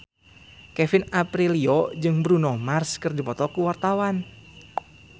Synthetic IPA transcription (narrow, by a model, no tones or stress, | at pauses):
kɛfinapɾiliɔd͡ʒɨŋbɾunɔmarskɨrdipɔt̪ɔkuwart̪awan